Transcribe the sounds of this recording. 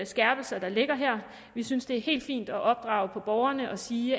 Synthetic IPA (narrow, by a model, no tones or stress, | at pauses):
sɡ̥æɐb̥l̩sɐd̥ɑ̈le̝ɡ̥ɐɦɛɐ̰ | ʋisynsd̥e̝æɐhe̝̰ːld̥fḭːnd̥ɒ̽ʔɒ̽b̥̚d̥ʁɑ̈ʊpʰɒ̽b̥ɒʊɐnəʔɒ̽siː